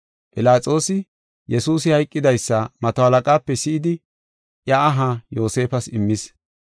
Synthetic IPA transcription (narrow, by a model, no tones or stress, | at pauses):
pʼɪlaːt͡sʼo̞ːsɪ | jɛsuːs̬ɪhɐjkʼːɪd̪ɐjsːɐmɐt̪ohɐlɐkʼaːpːɛsɪɪd̪ɪ | ʔjɐːɦajo̞ːse̞ːfɐsɪmːɪs